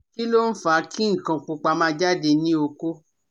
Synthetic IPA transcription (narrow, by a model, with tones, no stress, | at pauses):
ki˦lo˦n̩˦fa˨˧˦kĩ˦ŋ̩˦˨kã˧˨k͡pu˧k͡pa˧mã˦d͡ʒa˦de˧nĩ˦o˧ko˦